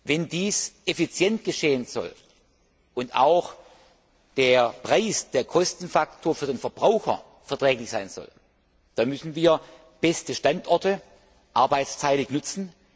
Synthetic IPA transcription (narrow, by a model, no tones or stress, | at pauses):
vɛndiːsʔefit͡sjɛntɡ̥əʃeːənz̥ɔ̰l | ʊnta̰ʊx | d̥eːɐpʁ̥aɪsd̥eːɐkʰɔstn̩faktʰoːɐfyːɐdeːnfɛɐb̥ʁaʊxɐ̰ | fɛɐtʁ̥ɛːklɪçz̥aɪnz̥ɔ̰l | d̥anmʏsn̩viːɐ | b̥ɛstəʃtantʔɔɐtə | ʔaɐbaɪt͡stʰaɪlɪçnt͡sn̩